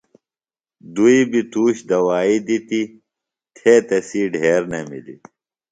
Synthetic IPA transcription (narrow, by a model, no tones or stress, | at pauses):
d̪uibit̪uːɕd̪ɐwaːid̪it̪i | t̪ʰeːt̪ɐsiːɖʱeːɾnɐmḭlḭ